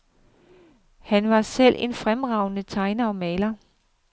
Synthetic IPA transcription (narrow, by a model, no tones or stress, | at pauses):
hænʋɑ̈sel̰ʔe̝nfʁamʁɑ̈ʊ̰nət͡sʰɑ̈ɪnɐɒ̽mɛːlɐ